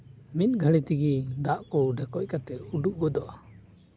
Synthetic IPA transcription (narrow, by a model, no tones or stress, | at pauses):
mit̪̚ɡʱəɽit̪iɡid̪aʔkɔɽuɖʱɛkɔc̚kat̪ɛuɖuʔ̚ɡɔd̪ɔʔa